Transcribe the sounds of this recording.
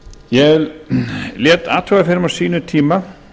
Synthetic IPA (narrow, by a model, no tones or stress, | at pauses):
jɛ | ljɛːt̪a̰ːt̪ʰœːɣafɪɾɪmasiːnʏt̪ʰiːma